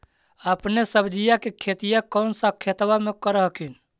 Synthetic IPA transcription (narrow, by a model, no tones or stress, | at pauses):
əpnesəbd͡ʒijakekʰet̪ijakɔʊnsakʰet̪wamekəɾəɦəkʰin